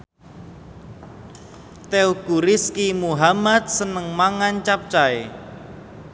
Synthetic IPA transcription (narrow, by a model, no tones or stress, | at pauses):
t̪euɡ̥uɾiskimuɦamat̪̚sənəŋmaŋant͡ʃap̚t͡ʃae